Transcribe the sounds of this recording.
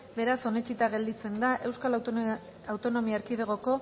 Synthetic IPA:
be̞ɾaso̞ne̞t͡ʃit̪aɣe̞ld̪it͡se̞nd̪aʔe̞wskal | awt̪o̞no̞miaɾkiðeɣ̞o̞ko̞

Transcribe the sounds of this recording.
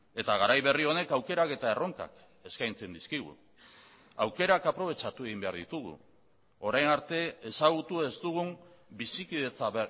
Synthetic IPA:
e̞t̪aɣaɾajβe̞rio̞ne̞kawke̞ɾake̞t̪ae̞ro̞ŋka̰k | e̞skajnt͡se̞nd̪iskiɣ̞ṵ | awke̞ɾakapɾo̞β̞e̞t͡ʃat̪ue̞ɣ̞imbe̞aɾðit̪uɣṵ | o̞ɾajnaɾt̪e̞ːsaɣ̞ut̪ue̞st̪uɣ̞umbisikiðe̞t͡saβ

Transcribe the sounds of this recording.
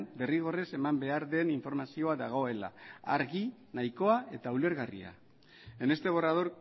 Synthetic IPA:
nbe̞riɣ̞o̞re̞se̞mambe̞aɾðe̞niɱfo̞ɾmasio̞aðaɣ̞o̞e̞la̰ːɾɣinajko̞ae̞t̪aule̞ɾɣarḭa̰ | ene̞st̪eβo̞raðo̞ɾ

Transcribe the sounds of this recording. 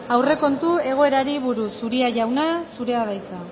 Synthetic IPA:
awre̞ko̞nt̪ue̞ɣ̞o̞e̞ɾaɾiβuɾusuɾiaʝawnasuɾe̞aðajt͡sa

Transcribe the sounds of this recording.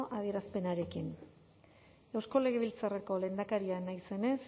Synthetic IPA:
ʔað̞ie̞ɾaspe̞naɾe̞kin | e̞wsko̞le̞ɣe̞β̞ilt͡sareko̞le̞nd̪akaɾianajse̞ne̞s

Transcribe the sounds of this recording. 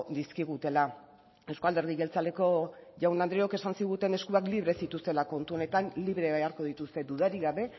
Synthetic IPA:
d̪iskiɣ̞ut̪e̞la | e̞wskald̪e̞ɾðiɣe̞lt͡sale̞ko̞ʝawnand̪ɾeoke̞sansiɣut̪e̞ne̞skuakliβ̞ɾe̞sit̪ust̪e̞lako̞nt̪uo̞ne̞t̪anliβɾe̞βajaɾko̞ð̞it̪ust̪e̞d̪uðaɾiɣaβe̞

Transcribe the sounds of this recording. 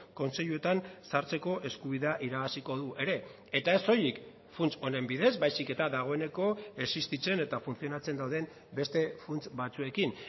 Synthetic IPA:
ko̞nse̞ʎue̞t̪ansaɾt͡se̞ko̞ʔe̞skuβ̞iðeaʔiɾaɣasiko̞ð̞uʔe̞ɾe̞ | e̞t̪ae̞so̞jik | funt͡so̞ne̞mbiðe̞zbajsike̞t̪aðaɣ̞o̞e̞ne̞ko̞e̞sist̪it͡se̞ne̞t̪afunθio̞nat͡se̞nd̪awðe̞m | be̞st̪e̞funt͡sbat͡sue̞kin

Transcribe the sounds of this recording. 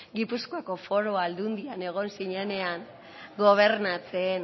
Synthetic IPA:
ɡipuskoako̞fo̞ɾoald̪und̪iane̞ɣ̞o̞nsiɲe̞ne̞aŋ | ɡo̞β̞e̞ɾnat͡se̞n

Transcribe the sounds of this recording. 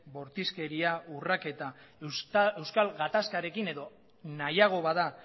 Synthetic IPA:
bo̞ɾt̪iske̞ɾiaurake̞t̪a | e̞wskalɣat̪askaɾe̞kine̞ðo̞ | najaɣ̞o̞βaða

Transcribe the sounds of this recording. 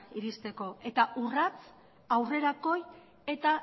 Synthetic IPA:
iɾist̪e̞ko̞e̞t̪aʔurat͡s | awre̞ɾako̞j | e̞t̪a

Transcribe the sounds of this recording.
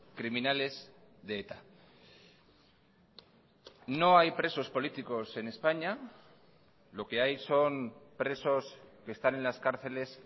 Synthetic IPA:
kɾiminale̞zðeet̪a | no̞ajpɾe̞so̞spo̞lit̪iko̞se̞ne̞spaɲa | lo̞ke̞ajso̞npɾe̞so̞ske̞ːst̪ane̞nlaskaɾθe̞le̞s

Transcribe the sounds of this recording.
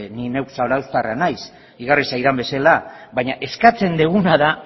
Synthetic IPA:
ninewksaolawst̪aranajs | iɣarisajðambe̞selaβaɲaʔe̞skat͡se̞nd̪eɣunaða

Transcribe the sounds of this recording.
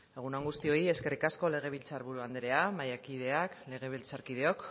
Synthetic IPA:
e̞ɣ̞unaŋɡust̪io̞ie̞ske̞rikasko̞le̞ɣ̞e̞β̞ilt͡saɾβuɾuand̪eɾe̞amajakið̞e̞akle̞ɣ̞e̞β̞ilt͡saɾkið̞e̞o̞k

